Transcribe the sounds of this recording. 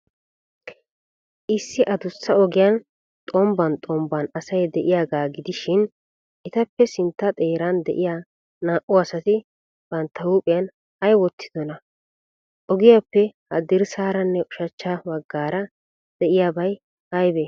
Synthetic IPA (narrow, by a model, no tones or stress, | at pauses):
ʔɪsːɪʔɐd̪ʊsːɐɔɡɪjɐn | t̪ʼɔmbɐnt̪ʼɔmbɐnɐsɐjd̪ɛʔɪjaːɡaːɡɪd̪ɪʃɪn | ʔɪt̪ɐpːɛsɪnt̪ːɐt̪ʼe̞ːɾand̪ɛ̰ʔɪjaː | naːʔʊɐsɐt̪ɪ | b̥ɐnt̪ːɐuːpʼɪjɐn | hɐjwɔt̪ːɪ̥d̪̥ɔnɐ | ʔɔɡɪjapːɛhɐ̰d̪ɪɾsaːɾɐnːɛʔʊʃɐt͡ʃːaːwɐɡːaːɾɐ | d̪̥ɛʔɪjaːbɐj | hɐjbeː